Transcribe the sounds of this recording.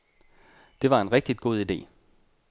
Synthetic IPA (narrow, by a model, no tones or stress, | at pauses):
d̥e̝ʋɑ̈e̝nʁɛɡ̥̚d̥id̥̚ɡ̥o̝ð̞ˠid̥e̝̰ː